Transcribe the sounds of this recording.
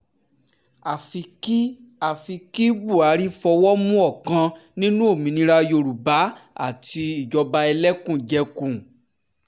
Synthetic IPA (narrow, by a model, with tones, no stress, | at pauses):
a˨fi˧ki˦ | a˨fi˧ki˦ɡ͡bu˦˨a˨˦ɾi˦fɔ˧wɔ˦mũ˦ɔ˦˨kã˧nĩ˦nũ˦o˦˨mĩ˧nĩ˧ɾa˧jo˧˨ɾu˨ba˨˦a̰˦˨ti˧i˦˨d͡ʒɔ˧ba˧ɛ˧lɛ˦kũ˦˨d͡ʒɛ˧˦kũ˦˨